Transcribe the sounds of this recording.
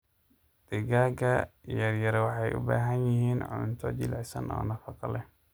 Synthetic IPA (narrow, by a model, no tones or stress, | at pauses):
d̪̥ɪɡaːɡɐjɐrjɐɾwɑħɑjʔʊ̰ba̰ːɦɐnjɪɦiːnʕʊ̰nt̪ʰɔt͡ʃɪlʕɪsɐ̰nʔɔ̰ːnɐfɑqɑlɛ